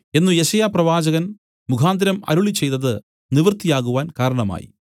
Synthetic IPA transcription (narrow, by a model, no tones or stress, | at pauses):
e̞nːujeɕɐjaːprɐʋaːd͡ʑɐɣɐn | mukʰaːnd̪ɐɾɐmɐ̰ɾuɭit͡ɕːe̞jt̪ɐðɨ | niʋrt̪ijaːɣuʋaːnkaːɾɐɳɐma̰ːjḭ